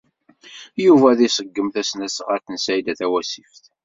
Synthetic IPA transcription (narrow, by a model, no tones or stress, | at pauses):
juvæðisəɡːəmθæsnæsʁɑɾθənsæjd̪æθæwæsifθ